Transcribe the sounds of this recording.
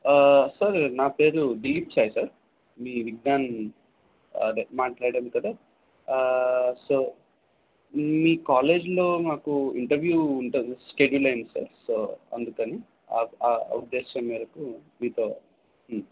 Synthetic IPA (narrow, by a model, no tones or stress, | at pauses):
sɐɾnaːpe̞ːɾuɖiːpt͡ʃaːjsaɾ | miːʋiɡ̚naːn | maːʈlaːɽɽaːnikɐd̪aː | soː | miːkaːleːd͡ʒloːnaːkuiɳʈɐɾʋjuːɳʈɐskeɖulɐjnsa̰ɾsoːɐ̰nd̪ukɐniː | aa̰ːud̪ːeːʃɐmiːd̪ɐkumiːt̪oː